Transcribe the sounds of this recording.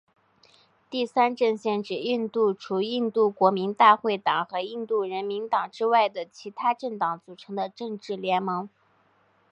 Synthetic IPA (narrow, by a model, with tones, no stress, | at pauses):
t̪i˥˩sa˥nʈ͡ʂɤ˥˧ŋɕjɛ˥˩nʈ͡ʂɻ̩˨˩i˥˧nt̪u˥˩ʈ͡ʂʰu˧˥i˥˧nt̪u˥˩kwɔ˧˥mi˧˥ŋt̪a˥˧xwe˥˩ɪt̪ɑ˨˩ŋxɤ˧˥i˥˧nt̪u˥˩ɻə˧˥nmi˧˥nt̪ɑ˨˩ŋʈ͡ʂɻ̩˥wa˥˩ɪd̪ə˩t͡ɕʰi˧˥t̪ʰa˥ʈ͡ʂɤ˥˩ŋt̪ɑ˨˥ŋt͡su˨˩ʈ͡ʂʰɤ˧˥ŋd̪ə˧ʈ͡ʂɤ˥˧ŋʈ͡ʂɻ̩˥˩ljɛ˧˥nmɤ˧˥ŋ